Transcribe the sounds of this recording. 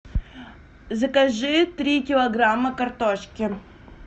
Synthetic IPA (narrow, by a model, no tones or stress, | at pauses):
zəkɐʐɨt̪ɾʲikʲɪlˠɐɡɾamːəkɐrt̪oʂkʲɪ